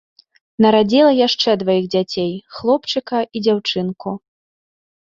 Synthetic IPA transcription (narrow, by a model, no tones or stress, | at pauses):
nɐɾad͡zʲilˠɐjaʂt͡ʂɛd̪vajiɣd͡zʲat͡sʲejxlˠɔpt͡ʂɨkɐid͡zʲawt͡ʂɨnku